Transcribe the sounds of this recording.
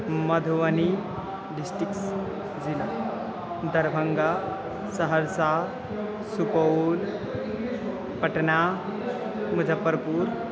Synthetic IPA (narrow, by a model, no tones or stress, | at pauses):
məd̪ʱʋəni | ɖisʈɾikʈs | d͡zila | d̪ʱəɾbʱəŋɡa | səɦəɾsa | supəwl | pəʈna | məd͡zʱəpːəɾpuːɾ